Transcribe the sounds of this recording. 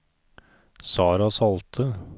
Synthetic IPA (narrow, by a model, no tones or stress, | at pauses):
sɑːɾɑsɑlt̪ʰə